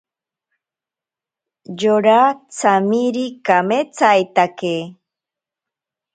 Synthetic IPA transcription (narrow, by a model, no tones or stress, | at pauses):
joɾat͡samiɾikamet͡sajt̪ake